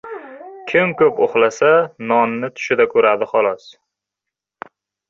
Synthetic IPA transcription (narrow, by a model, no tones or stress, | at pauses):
kʲʰɪmkʰɵpoχlasanɒnnɪt̪ʰʊ̥ʃɪd̪akʰɵɾad̪ɪχɒlˠɒs